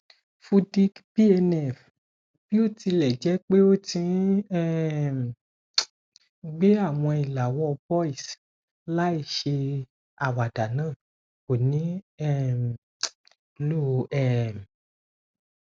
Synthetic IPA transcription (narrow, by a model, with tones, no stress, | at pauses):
fu˧di˦kbi˦ɛ˧nɛ˦˨f | b̥i˦o˦˨ti˧lɛ˨d͡ʒɛ˨˦k͡pe˦o˦tĩ˧˦ɛ˦˨m˨ | ɡ͡be˦a˦˨w̃ɔ̃˧i˨la˨wɔ˦˧bɔ˦i˦˨s | la˦i˦˧˨ʃe˧ | a˨wa˨da˨nãː˦˨ | ko˨nĩ˨˦ɛ˦˨ | lo˦˧ɛ˦˨m˨